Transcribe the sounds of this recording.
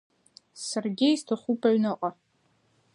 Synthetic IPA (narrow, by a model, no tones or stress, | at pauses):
sɐrɡʲejstʰɨχʷupʰɐɥnɐqʼɐ